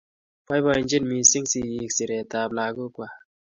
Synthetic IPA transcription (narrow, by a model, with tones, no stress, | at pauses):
pa˦jba˧i˨nd͡ʒi˦nmi˨˧si˦ŋsi˧˨ji˧ksi˨ɾɛ˨ta˧p̚laː˧ɡu˦kwa˧˨